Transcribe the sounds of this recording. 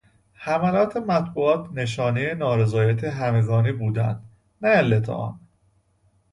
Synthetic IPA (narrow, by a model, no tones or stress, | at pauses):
hæmælɒːt̪ʰe̞mæt̪buːɒːt̪ʰne̞ʃɒːnejenɒːɾezɒːjæt̪ʰeɦæme̞ɡɒːniːbuːd̪æ̰nd̪̥ | næælːet̪ʰɒ̰ʔɒ̰ːm